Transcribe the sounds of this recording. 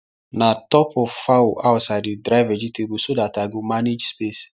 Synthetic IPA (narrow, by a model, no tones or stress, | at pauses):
natɔpɔvfawʔaʊtsaɪdidɾaɪvɛd͡ʒitebusodataɡomaned͡ʒspes